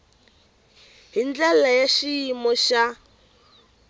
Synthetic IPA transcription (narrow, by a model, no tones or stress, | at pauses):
ɦind͡ɮɛlajaʃiimɔʃa